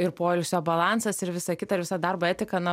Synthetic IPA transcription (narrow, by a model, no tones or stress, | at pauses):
ɪrpoːɛlʲʊsʲoːbɐlˠɑːnsɐsɪɾʋʲɪsɐkʲɪt̪ɐʋʲɪsɐd̪ɐrbɐɛːt̪ʲɪkɐnɐ